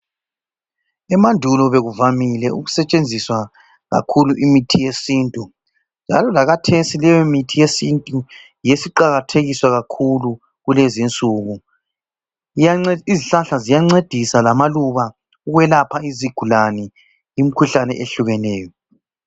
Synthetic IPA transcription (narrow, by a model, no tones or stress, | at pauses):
ɛmandʱulɔβeɣuvamilɛʔuɣusɛt͡ʃʼend͡zʱiswa | ɣa̰kʰuluʔimitʰijesiːntʼu | nd͡ʒʱa̰lɔlaɣatʰesilɛjɔmitʰijesintʼu | jesiǃaɣatʰeɣiswaɣakʰulu | ɣulezint͡sʼuɣu | jaiziɬaɬazijaŋ͡ǀed̥ʱisalamaluβa | uɣwɛlapʰaiziɡ̥ʱulanɛ | jim̩kʰuɬanɛ̰ʔeɬuɣɛnɛːjɔ